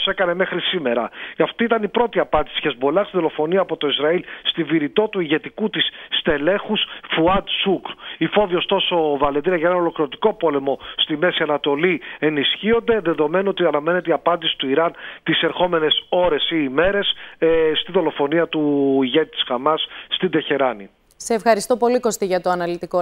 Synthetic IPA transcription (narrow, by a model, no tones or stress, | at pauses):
se̞kɐne̞me̞xɾisime̞ɾɐ̰ɐft̪iit̪ɐnipɾo̞t̪iɐpɐnd̪isi̥çezbolɐkst̪iðo̞lo̞fo̞niɐːpo̞t̪o̞izɾɐilst̪iviɾit̪o̞t̪uiʝe̞t̪ikut̪isːt̪e̞le̞xusfuɐd̪sukɾifo̞viost̪o̞so̞vɐleðiɾiɐʝɐenɐno̞lo̞kɾiɾot̪i̥ko̞po̞le̞mo̞st̪ime̞siɐnɐt̪o̞lie̞nisçio̞nd̪e̞ðe̞ðo̞me̞noot̪iɐnɐme̞ne̞t̪eiɐpɐnd̪isi̥t̪uiɾɐnt̪ise̞ɾxo̞me̞ne̞so̞ɾe̞siːme̞ɾe̞sst̪iðo̞lo̞fo̞niɐt̪uiʝe̞t̪i̥t̪i̥sxɐmɐsːt̪ind̪e̞çe̞ɾɐni | seːfxɐɾist̪opo̞liko̞st̪iʝɐt̪oɐnɐlit̪iko